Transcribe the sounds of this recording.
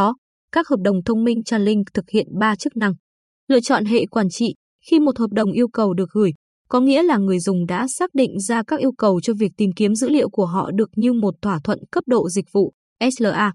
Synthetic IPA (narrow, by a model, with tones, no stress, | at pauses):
ɔ˨˦ | kaː˦˥k̚həː˨˩p̚ɗə˨˩wŋ͡mt̪ʰə˧wŋ͡mmi˧ŋ̟t͡ɕaː˧nlï˧ŋ̟t̪ʰɨ˨˩k̚hḭ˧˨ənɓaː˧t͡ɕɨ˦˥k̚na˧ŋ | lɨ̰˧˨ət͡ɕɔ̰˧˨nɦḛ˧˨kwaː˧˩nt͡ɕḭ˧˨ | xi˧mo˨˩t̚həː˨˩p̚ɗə˨˩wŋ͡mʔi˧əwkə˨˩wɗɨ˨˩ək̚ɣɨ˧˩j | kɔ˨˦ŋḭ˧˥əlaː˨˩ŋɨ˨˩əjzʊ˨˩ŋ͡mɗa̰ː˧˥saː˦˥k̚ɗḭ˧˨ŋ̟zaː˧kaː˦˥k̚ʔi˧əwkə˨˩wt͡ɕɔ˧vi˨˩ək̚t̪i˨˩mki˨˦əmzɨ̰˧˥lḭ˧˨əwku˧˩əɦɔ̰˧˨ɗɨ˨˩ək̚ɲɨ˧mo˨˩t̚t̪ʰwaː˧˩t̪ʰwə̰˧˨nkə˦˥p̚ɗo̰˧˨zï˨˩k̚vṵ˧˨ | ʔɛ˦˥ləː˨˩ʔaː˧